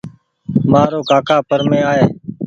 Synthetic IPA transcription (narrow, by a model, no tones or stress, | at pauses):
maːɾoːkaːkʰaːpəɾmẽːaːɦeː